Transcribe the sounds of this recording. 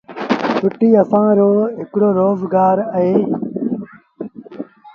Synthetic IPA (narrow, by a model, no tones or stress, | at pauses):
sʰʊʈiːəsãːɾoːɦɪkɽoːɾoːzɡaːɾəɦeː